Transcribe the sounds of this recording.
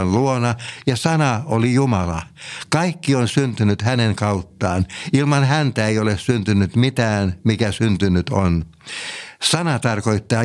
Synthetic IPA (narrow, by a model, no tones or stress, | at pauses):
nluonɑjɑsɑnɑolijumɑlɑkɑikːionsynt̪ynyt̪hæneŋkɑut̪ːɑːnilmɑnhænt̪æeiolessynt̪ynːyt̪mit̪æːnmikæsynt̪ynyt̪on | sɑnɑt̪ɑrkoit̪ːɑː